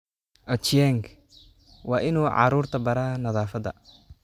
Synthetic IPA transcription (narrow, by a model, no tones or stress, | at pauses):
ʔɔt͡ʃjɛŋk | wɑːʔɪnuːʕɑ̰ɾuːrt̪ʰɐbɐɾaːnɐðaːfɐd̪ɐ̰